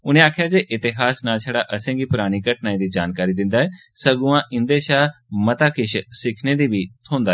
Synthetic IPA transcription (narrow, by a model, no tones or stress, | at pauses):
ʊnẽaːkʰjaːd͡ʒeːʔɪt̪ɪɦaːsnaːt͡ʃʰəɽaːʔəsẽːɡiːpʊɾaːɽ̃iːkəʈnaːĩːd̪iːd͡ʒaːnkaːɾiːd̪ɪ̃nd̪aːɦɛː | səɡʊãːʔɪ̃nd̪eːʃaːmət̪aːkɪʃsɪkʰneːd̪iːbiːt̪ʰõːnd̪aː